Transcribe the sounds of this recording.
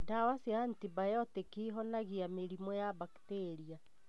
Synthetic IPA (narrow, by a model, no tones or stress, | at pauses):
tawasiantibajɔtekiɦɔnaɣiameɾimɔjaβakteɾia